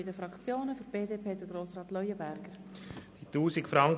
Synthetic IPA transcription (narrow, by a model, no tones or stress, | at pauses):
ɪdəfɾɑkt͡sjoːnəføɾb̥eːdeːpʰeːd̥̪əɡ̥ɾoːsɾɑːt̪lœjəbæɾɡəɾd̥it̪uːsikfɾɑŋk